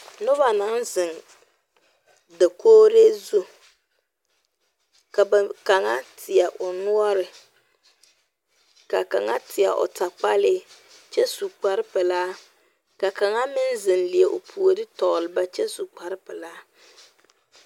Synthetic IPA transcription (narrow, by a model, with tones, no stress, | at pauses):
nʊ˦ba˨na˨˦nzɪ˨ŋ | da˨koː˦ɾe˦zu˦ | ka˨ba˨ka˨ŋa˦tʰɪ˨a˨ʔʊ˨nu˦ɔ˦ɾɪ˨ | ka̰˨ka̰˨ŋa˦tʰɪ˨a̰˨ʔʊ̰˨ta˨k͡pa˦lɪ˦ | t͡ʃɛ˦su˨k͡pa˨ɾɪ˦pɛ˨laː˦ | ka˨ka˨ŋa˦mɪ˦nzɪ˨nlɪ˨ɛ˨ʔʊ˨pʰu˨o˨dɪ˦tɔ˨lɪ˨ba˦t͡ʃɛ˦su˨k͡pa˨ɾɪ˦pɛ˨laː˦